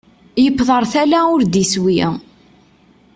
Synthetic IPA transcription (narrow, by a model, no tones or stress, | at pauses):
jəpːðˤəɾˤθælæʊɾd̪iswi